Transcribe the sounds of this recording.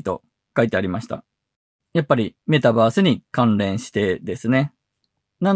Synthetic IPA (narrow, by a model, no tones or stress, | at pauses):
t̪o̞̰ | kait̪e̞aɾʲimaɕi̥t̪a̰ | japːaɾʲime̞t̪abaːsɨɲ̟ikãnɾẽ̞ɰ̃ɕi̥t̪e̞d̪e̞sɨne̞ | nan